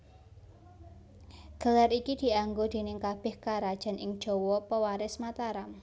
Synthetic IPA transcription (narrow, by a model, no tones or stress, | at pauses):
ɡ̥a̤laɾikid̪̥i̤aŋɡod̪̥e̤nɪŋkab̥ɛ̤hkaɾad̥ʒ̥a̤nʔɪŋd̥ʒ̥o̤wɔpəwaɾɪsmat̪aɾam